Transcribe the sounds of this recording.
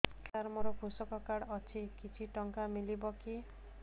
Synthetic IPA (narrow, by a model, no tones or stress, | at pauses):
kaɾmɔɾɔbʱusɔkɔkaɽɔt͡ʃʰikit͡ʃʰiʈɔŋkamilibɔki